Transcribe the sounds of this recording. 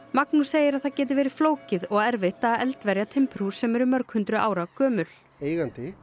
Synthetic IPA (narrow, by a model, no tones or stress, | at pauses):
maknuseːjɪɾaðθacɛːt̪ɪvɛːɾɪ̥floːwcɪðɔɣɛɾvɪht̪aɛlt̪vɛɾjat̪ʰɪmpɾusːɛmɛɾʏmːœɾkhʏnt̪ɾʏʔaːwɾakœːmʏl̥ | eːjɣant̪ɪ